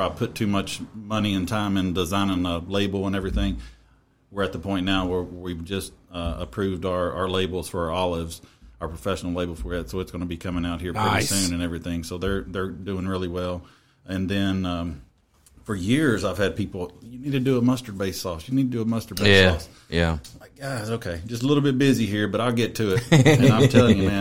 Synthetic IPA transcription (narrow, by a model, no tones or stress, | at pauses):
aɪv̥pʰʊtʰʉmʌt͡ʃmʌniɨ̃ntʰãɪ̃mɨ̃ndəzãɪ̃nɪ̃ŋəleɪbl̩ˠə̃nɛvɹiθɪ̃ŋ | wəɹɨt̪̚ðəpʰɔ̃ɪ̃nːnaʊwə˞wivd͡ʒʌst̚ʌə̰pʰɹ̥ʉvdə˞ə˞leɪbl̩ˠz̥fə˞ɑlˠɪvz̥əʊə˞pʰɹ̥əfɛʃn̩l̩ˠleɪbl̩ˠfə˞ɪtsoʊɨtsɡ̥õɪ̃nəbikʰʌmɪ̃ŋaʊt̚hiɹpsẽnɨ̃nɛvɹiθɪ̃ŋsoʊðə˞ðə˞dʉɪ̃ŋɹɪlˠiwɛlˠ | ʔɨ̃nðɨ̃nʌ̃ | fə˞jɪɹzaɪv̥ɨd̚pʰipl̩ˠjɨnid̚tʰɨdɨəmʌstə˞beɪsɔsjɨnid̚tɨdɨəmʌstə˞beæɔs | jælaɪk̚ɡ̥azoʊkʰeɪd͡ʒʌstəlɪɾl̩ˠbɪt̚b̥ɪziɦiɹbʌɾaɪlˠɡɛtʰɨɪt̚ɨ̃ñaɪtʰɛlˠɪ̃ŋjɨmæ̃n